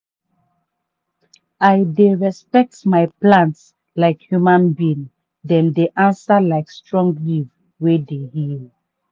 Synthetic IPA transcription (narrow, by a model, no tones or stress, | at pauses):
ajdeɹɛspɛk̚tmaɪplãnts | laɪkhjumãnbĩn | dɛ̃ndeʔãnsalaɪkstɹɔ̃ŋɡliv | wedehil